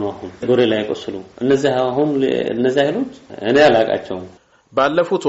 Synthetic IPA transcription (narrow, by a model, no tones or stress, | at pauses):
nahunɡ̪oɾelajkʼəsɨluʔɨnːəzːiaɦun̰ɨ̰nːəzːiahilo̞t͡ʃːɨ̰nejalakʼa̰t͡ʃːɛwn | balːəfut̪